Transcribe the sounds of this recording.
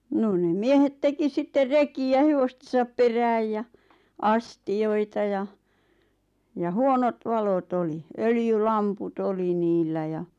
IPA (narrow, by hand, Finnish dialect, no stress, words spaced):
noːn nem miehet teki sitːer rekiæ heʋostesɑp peræːj jɑ ɑstijoitɑ jɑ jɑ huonot ʋɑlot oli øljylɑmput oli niːlːæ jɑ